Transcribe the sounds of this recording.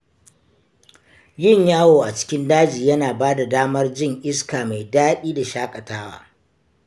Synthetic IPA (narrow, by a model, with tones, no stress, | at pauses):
jɪ˦ɲjaː˦woː˨ʔa˨t͡ʃɪ̥˦kʲɪ˦ndaː˦d͡ʒiː˨jɐ˦naː˨baː˦da˨daː˦mɐ˦rd͡ʒɪ˦ŋʔɪ˦skaː˨ma˨jdaː˦ɗiː˦da˨ʃaː˦kʼɐ˨taː˦wa̰ː˨